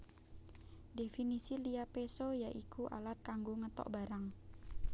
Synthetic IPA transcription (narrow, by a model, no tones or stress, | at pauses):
definisiliapesojaʔikuʔa̰lat̪̚kaŋɡoŋət̪ɔ̰ʔbaɾaŋ